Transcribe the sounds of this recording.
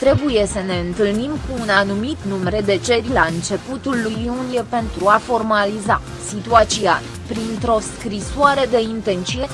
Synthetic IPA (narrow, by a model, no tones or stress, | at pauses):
t̪ɾe̞buje̞səne̞ɨnt̪ɨlnimkuːnanumit̪numeɾed̪e̞t͡ʃe̞ɾilaɨnt͡ʃe̞put̪ulːujunijepe̞nt̪ɾuafo̞rmaliza̰ | sit̪uat̪sia̰ | pɾint̪ɾo̞skɾisoaɾe̞d̪e̞int̪ent̪sije̞